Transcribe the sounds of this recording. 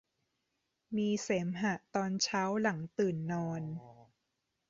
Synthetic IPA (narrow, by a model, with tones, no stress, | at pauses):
miː˧seː˩˦mɦa˨˩ʔt̪ɔː˧nt͡ɕʰaː˦˥wla˩˦ŋt̪ɯː˨˩nːɔː˧n